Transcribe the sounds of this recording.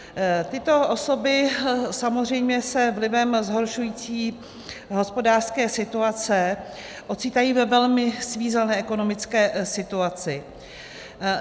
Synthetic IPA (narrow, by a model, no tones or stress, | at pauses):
t̪ɪt̪o̞ʔoso̞bɪsamozr̝ɛjmɲɛsɛvlɪvɛmzɦo̞ɾʃujiːt͡siː | ɦo̞spo̞daːr̥skɛːsɪt̪uat͡sɛ | ʔo̞t͡siːt̪ajiːvɛvɛlmɪsviːzɛnɛːɛko̞no̞mɪt͡skɛːsɪt̪uat͡sɪ